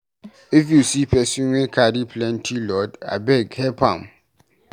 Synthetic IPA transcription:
ifjusipʰɛsĩwẽkʰadiplɛ̃ntʰilɔda̰bɛɡhɛpʰãm

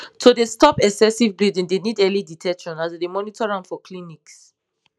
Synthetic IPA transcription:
tʰodestɔpɛksɛsivbɹidĩŋdenidɛliditʰɛkʃɔ̃nazdedemɔnitʰɔɹãnfɔkliniks

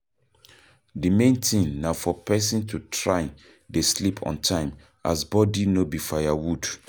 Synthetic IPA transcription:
dimẽntʰĩŋnafɔpʰɛsĩntʰutʰɹaɪ | deslipʰɔ̰̃ntʰãɪ̃m | a̰sbɔdinobifajawud

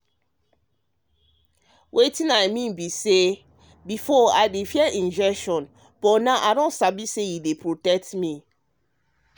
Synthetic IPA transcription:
wʔetĩnajmĩnbise | bifɔaɪdefiɛʔĩnd͡ʒɛkʃɔ̃n | b̥ɔnaʔadɔ̃nsabisejidepʰɹotɛk̚tmi

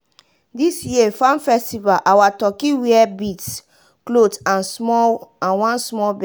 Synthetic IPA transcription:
disjiefãnfɛstivalʔawatɔkiwiɛbits | klotãnsmɔãnwãnsmɔlbɛ

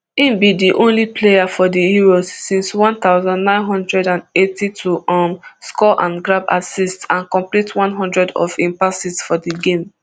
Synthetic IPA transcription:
ĩmbidiʔõnliplejafɔdiiɹosːĩnswɔ̃nt̪aʊzãndnãɪ̃nɦɔ̃ndɹɛdãndetitʰuɔmskɔʔãnɡɹaba̰sistãnkɔ̃mplitwɔ̃nɦɔ̃ndɹɛdɔ̰fĩmpasisfɔdiɡẽm

